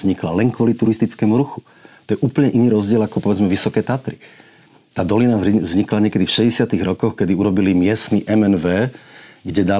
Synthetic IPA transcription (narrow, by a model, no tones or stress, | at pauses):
zɲiklalɛnkʋɔlit̪uɾist̪it͡skɛːmuɾuxu̥ | t̪ɔjɛʔuːpl̩ɲɛʔiniːɾɔzɟɪɛlakɔpɔʋɛd͡zmɛʋisɔkɛːt̪at̪ɾi | t̪aːd̪ɔlinazɲiklaɲɛkɛd̪ifʃɛɟɛsɪat̪iɣɾɔkɔxkɛd̪iuɾɔbilimɪɛst̪niʔɛmɛnʋɛːɡɟɛd̪a